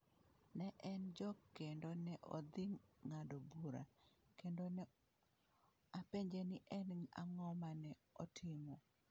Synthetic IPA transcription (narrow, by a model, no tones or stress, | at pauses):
nɛʔɛnd͡ʒɔkːendonɛʔɔ̰d̪ɪŋːadobuɾa̰kendonɛ | apeɲd͡ʒenɪʔɛnŋa̰ŋɔmanɛɔtʰɪmo